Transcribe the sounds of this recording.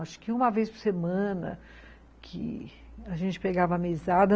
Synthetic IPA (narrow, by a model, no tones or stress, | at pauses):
aʃʊ̥kɪũmɐvejspʊɾsemɐ̃nɐ̰ | kʰɪ̰aʒẽnt͡ʃɪ̥peɡavɐːmizad̪ɐ